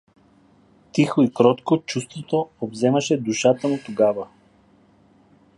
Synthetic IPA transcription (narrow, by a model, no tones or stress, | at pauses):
t̪ixoikɾɔt̪kot͡ʃust̪vot̪oobzɛmɐʃɛd̪uʃat̪əmut̪oɡavə